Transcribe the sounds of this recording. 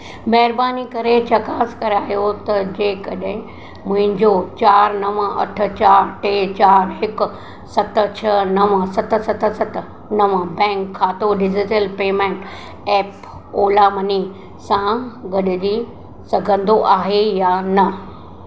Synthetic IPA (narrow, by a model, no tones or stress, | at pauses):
mɐɦɪɾbaːnikɐɾet͡ɕɐkaːskɐɾaːijot̪ɐd͡ʑeːkɐɗɦɪ̃ | mʊ̃ɦɪ̃ɲd͡ʑot͡ɕaːɾnɐʋə̃ɐ̰ʈʰʊ̆t͡ɕaːɾʈeːt͡ɕaːɾɦɪkʊ̆ | sɐt̪̆t͡ɕʰɐnɐʋə̃sɐt̪̆sɐt̪sɐt̪̆ | nɐʋə̃bɛ̃ːŋkʰːaːt̪oɖɪd͡ʑɪʈəlpeːmẽːɳʈ | ɛːp | oːlamɐni | sãɡɐɗɪd͡ʑi | sɐɡʱə̃nd̪oʔaːɦejanɐ